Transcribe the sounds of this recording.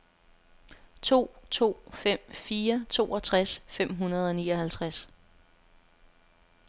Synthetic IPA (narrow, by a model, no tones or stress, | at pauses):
t͡sʰo̝̰ːt͡sʰo̝̰ːfem̰fiːɐt͡sʰo̝̰ːɒ̽t͡sʰʁasfem̰ɦunɐð̞ˠɒ̽niːɒ̽hælt͡sʰʁas